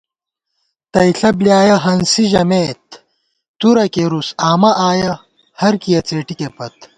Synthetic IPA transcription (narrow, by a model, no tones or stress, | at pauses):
t̪ɐjɬɐbljaːjɐɦɐnsiʑɐmeːt̪̚ː | uɾɐkeɾusaːmɐʔaːjɐ | hɐɾkijɐt͡seːʈikepɐt̪